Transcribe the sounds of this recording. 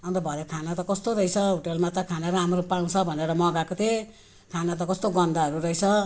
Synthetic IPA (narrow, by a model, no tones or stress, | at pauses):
ʌnt̪ʌbʱʌɾekʰanat̪ʌkʌst̪oɾʌjt͡sʰʌɦuʈelmat͡sakʰaneɾʌɦamropaw̃t͡sʰʌbʱʌneɾʌmʌɡakot̪ʰe | kʰanat̪ʌkʌst̪oɡʌnd̪aɦʌɾurʌjt͡sʰʌ